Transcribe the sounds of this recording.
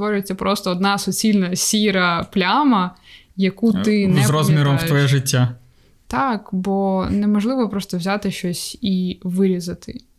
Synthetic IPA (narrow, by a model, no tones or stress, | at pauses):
ʋɔɾʲʊjet͡sʲːɐpɾɔst̪ɔːd̪nɑsɔt͡sʲilʲnɐsʲiɾɐplʲamɐ | jɐkut̪ɪnzɛɾɔzmʲiɾɔmwt̪ʋɔjɛʒɪtʲːa | t̪ɑkbɔnemɔʒlˠɪʋɔpɾɔst̪ɔwzʲat̪ɪʃt͡ʃɔsʲiʋɪɾʲizɐt̪ʰɪ